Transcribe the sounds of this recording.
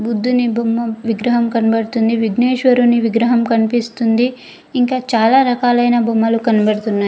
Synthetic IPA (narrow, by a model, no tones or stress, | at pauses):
bud̪ʱːunibomːɐʋiɡɾɐɦɐmkɐnibɐɽut̪und̪iʋiɡneːʃʋɐɾuniʋiɡɾɐɦɐmkɐnipist̪und̪iː | ŋkaːt͡ʃaːlaːɾɐkaːlɐjnɐbʱomːɐlukɐnibɐɽut̪unːaː